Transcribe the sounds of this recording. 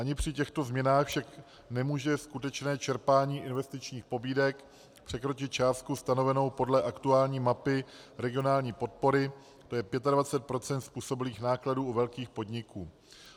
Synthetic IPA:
ʔaɲɪpr̝̥ɪcɛxt̪o̞zmɲɛnaːxfʃak | nɛmuːʒɛskut̪ɛt͡ʃnɛːt͡ʃɛɾpaːɲiːʔɪnvɛst̪ɪt͡ʃɲiːxpo̞biːdɛk | pr̝̥ɛkɾo̞t͡ʃɪt̪̚t͡ʃaːst̪̚kust̪ano̞vɛno̞wpo̞dlɛʔakt̪uaːlɲiːmapɪɾɛɡɪo̞naːlɲiːpo̞t̪̚po̞ɾɪ | t̪o̞jɛpjɛt̪advat͡sɛt̪̚pɾo̞t͡sɛnt̪spuːso̞bɪliːxnaːkladuːuvɛlkiːxpo̞dɲɪkuː

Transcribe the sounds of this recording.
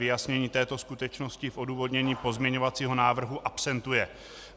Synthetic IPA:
ɪjasɲɛɲiːt̪ɛːt̪o̞skut̪ɛt͡ʃno̞scɪfʔo̞duːvo̞d̪ɲɛɲiːpo̞zmɲɛɲo̞vat͡siːɦo̞naːvr̩ɦuʔapsɛnt̪ujɛ

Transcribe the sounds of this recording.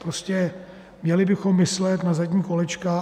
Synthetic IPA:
pɾoscɛ | mɲɛlɪbɪxo̞mːɪslɛt̪nazaɟɲiːko̞lɛt͡ʃka

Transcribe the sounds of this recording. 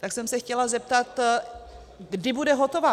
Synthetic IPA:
t̪aksɛmsɛxcɛlazɛp̚t̪at̪ | ɡdɪbudɛɦo̞t̪o̞va

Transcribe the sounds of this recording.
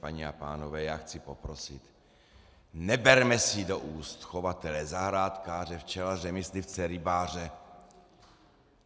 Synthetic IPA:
paɲiapa̰ːnovɛːjaːxt͡sipo̞pɾosɪt̪ | nɛbɛɾmɛsɪdoʔuːst̪xovat̪ɛlɛzaɦɾaːt̪kaːrɛft͡ʃɛlazɛmislift͡sɛɾɪbaːr̝ɛ

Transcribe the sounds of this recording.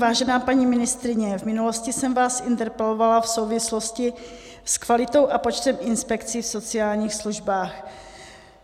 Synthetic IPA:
vaːʒɛnaːpaɲiːmɪnɪst̪ɾɪɲɛvmɪnulo̞scɪsɛmvaːsʔɪnt̪ɛɾpɛlo̞valafso̞wvɪslo̞scɪ | skvalɪt̪o̞wʔapo̞t͡ʃt̪ɛmʔɪnspɛkt͡sifso̞t͡sɪaːlɲiːxsluʒbaːx

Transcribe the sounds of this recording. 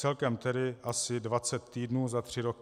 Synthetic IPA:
t͡sɛlkɛmt̪ɛdɪʔasɪdvat͡sɛt̪ːiːdnuːzat̪r̝̥ɪɾok

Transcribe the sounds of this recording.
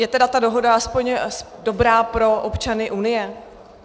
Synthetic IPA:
jɛt̪ɛdat̪ado̞ɦo̞daaspo̞ɲsdo̞bɾaːpɾo̞ʔopt͡ʃanɪʔunɪjɛ

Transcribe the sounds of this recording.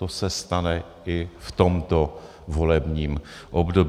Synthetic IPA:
osɛst̪anɛ | ɪft̪omt̪o̞ | vo̞lɛbɲiːmʔobdo̞b

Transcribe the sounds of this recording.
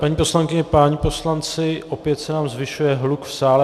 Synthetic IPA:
paɲiːpo̞slaŋkɪɲɛpaːɲɪposlant͡sɪʔopjɛt̪sɛnaːmzvɪʃujɛɦlukfsaːlɛ

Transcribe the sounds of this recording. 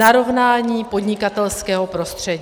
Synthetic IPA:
aɾo̞vnaːɲiːpo̞d̪ɲɪkat̪ɛlskɛːɦo̞pɾo̞st̪r̝̥ɛɟ

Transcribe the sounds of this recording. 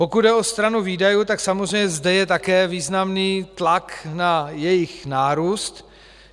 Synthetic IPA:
po̞kud̪dɛo̞st̪ɾanuviːdajuːt̪aksamozzrɛjɲɛzdɛjɛt̪akɛːviːznamniːt̪laknajɛjɪxnaːɾuːst̪

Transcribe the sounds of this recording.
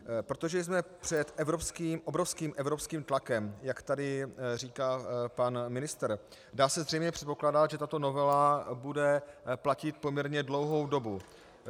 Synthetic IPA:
pɾo̞t̪o̞ʒɛjzmɛpr̥ɛt̪ʔɛvɾo̞pskiːmʔobɾo̞fskiːmʔɛvɾo̞pskiːmt̪lakɛmjakt̪adɪr̝iːkaːpanmɪnɪst̪ɛɾ | daːsɛzr̝ɛjmɲɛpr̥ɛt̪̚po̞klaːdat̪ʒɛt̪at̪o̞no̞vɛlabudɛplacɪt̪̚pomɲɛɾɲɛdlo̞wɦo̞wdo̞bu

